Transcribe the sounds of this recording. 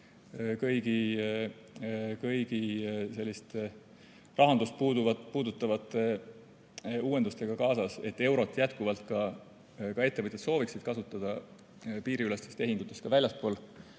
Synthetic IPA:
kɤjɡ̥i | kɤjɡ̥ise̞lʲːist̪ | rʔɑɦɑnd̪ust̪̚puːd̪uvɑpuːd̪ut̪ːˑɑvɑt̪ːˑe̞ | uːenust̪e̞ɡ̥ɑkɑːsɑse̞t̪ːe̞wɾo̞t̪ˑːjæt̪kuvɑlt̪kɑ | kɑe̞t̪ːevɤt̪ʲjet̪so̞ːviksid̪̥kɑsut̪ːˑɑd̪̥ɑ | piːɾiylest̪si̥st̪e̞ɦinɡ̪̥ut̪ːˑe̞st̪kɑvælʲjɑspo̞ːl

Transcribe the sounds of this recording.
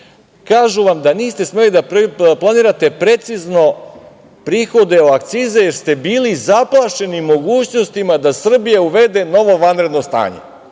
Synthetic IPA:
kaːʒuʋamd̪aniːst̪e̞sme̞lid̪applˠaniːɾat̪e̞pɾe̞t̪sizno̞ | pɾiːxo̞d̪e̞oak̚t̪siːzejeɾst̪e̞biːlizaplˠaʃe̞nimo̞ɡuːt͡ɕno̞st̪imad̪asr̩bijauʋe̞d̪e̞no̞ʋo̞ʋanɾe̞d̪no̞st̪a̰ːɲe̞̰

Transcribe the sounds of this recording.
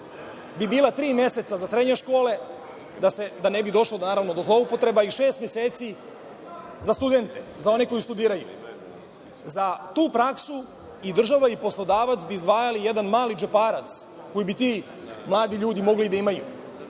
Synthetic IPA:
bibiːlat̪ɾiːmje̞set̪sazasɾed̪ɲeʃko̞ːle̞ | d̪ased̪anebid̪o̞ʃlonaːɾaʋno̞d̪o̞zlˠo̞upo̞t̪ɾe̞baiʃeːst̪mjeseːt̪si | zast̪ud̪e̞nt̪ezao̞neko̞jist̪ud̪iːɾajṵ | zat̪uːpɾaksu | id̪r̩ʒaʋaipo̞slˠo̞d̪aːʋat̪sbiːzd̪ʋaːjalije̞d̪anmaːlid͡ʒepaːɾat̪s | ko̞jibit̪iː | mlˠaːd̪iʎuːd̪imo̞ɡlid̪aimaju

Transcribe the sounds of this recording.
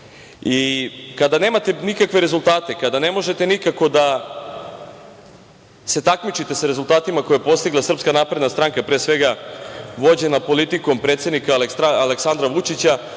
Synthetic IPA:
ikad̪ane̞ːmat̪e̞nikakʋe̞ɾe̞zulˠt̪aːt̪e̞kad̪ane̞mo̞ʒe̞t̪e̞nikako̞d̪a | se̞t̪akmit͡ʃit̪e̞saɾe̞zulˠt̪aːt̪imako̞jepo̞st̪iɡlˠasr̩pskanaːpɾe̞d̪nast̪ɾaŋkapɾeːsʋe̞ɡaʋo̞d͡ʑe̞napo̞lit̪iko̞mpɾet̪sʲe̞d̪nikaleaːleksand̪ɾaʋut͡ʃit͡ɕa

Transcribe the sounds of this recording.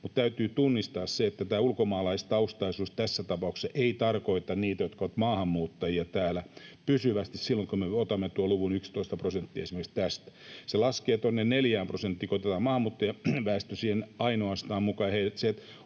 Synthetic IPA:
mut̪t̪æyt̪yːt̪unːist̪ɑːsseet̪ːæt̪æːulkomɑːlɑist̪ɑust̪ɑisuːst̪æsːæt̪ɑpɑuksesʔeit̪ɑrkoit̪ɑnniːt̪æjot̪kɑʋɑt̪mɑːhɑmːuːt̪ːɑjiɑt̪æːlæpysyʋæst̪issilːoŋkomeot̪ɑmːet̪uoluʋunykst̪oist̪ɑprosent̪ːiːesimerkikst̪æst̪æ̥selɑskeːt̪onːenneljæːmprosent̪ːiːkot̪eɑt̪ɑmɑːhɑmːuːt̪ːɑjɑʋæːst̪øsiːhenɑinoɑst̪ɑːmmukɑjheilseet̪

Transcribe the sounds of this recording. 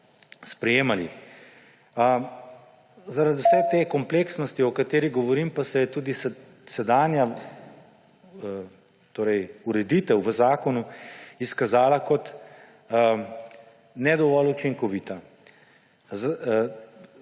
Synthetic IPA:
spɾɛjeːmalḭ | zaɾad̪iuwsɛt̪eːkɔmpleksnɔst̪iɔkat̪eːɾiɡɔʋɔɾiːmpasɛjɛt̪uːd̪is | sɛd̪aːnja | t̪oːɾɛjuɾɛd̪iːt̪ɛwʋəzaːkɔnuiskazaːlakɔt̪ | nɛd̪ɔʋɔlut͡ʃiŋkɔʋiːt̪a | z

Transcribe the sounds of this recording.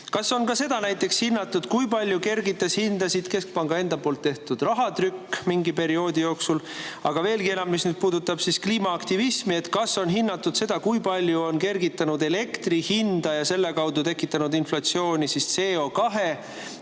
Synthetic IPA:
kɑso̞nkɑse̞d̪̥ɑnæjt̪ːˑe̞kshinːɑt̪ːˑud̪̥kujpɑlʲjuke̞rɡit̪ːˑeshind̪̥ɑsid̪̥ke̞sk̚pɑŋɡɑe̞nd̪̥ɑpo̞ːlt̪ˑːeht̪ud̪̥rɑɦɑt̪rykːmiŋɡipe̞ɾio̞ːd̪ijo̞ːksul | ɑɡ̥ɑve̞ːlɡie̞nɑmmisnyːd̪̥̚puːd̪ut̪ːˑɑb̥siskliːmɑːkt̪ivismie̞t̪kɑsːo̞nɦinːɑt̪ːˑud̪̥se̞d̪̥ɑkujpɑlʲjuo̞nke̞rɡit̪ːˑɑnud̪e̞le̞kt̪rihind̪̥ɑjɑse̞lːe̞kɑwd̪ut̪e̞kːˑit̪ːˑɑnud̪inflɑt̪sio̞ːnʲisist̪se̞ːo̞ːkɑɦe̞

